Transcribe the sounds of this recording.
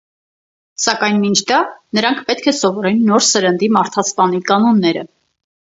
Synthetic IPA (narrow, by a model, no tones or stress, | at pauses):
sɑkɑjnmint͡ʃʰd̪ɑnəɾɑŋkʰpɛt̪̚kʰɛsɔvɔɾɛnːɔɾsəɾənd̪imɑɾt̪ʰɑspɑnikɑnɔnːɛɾə̰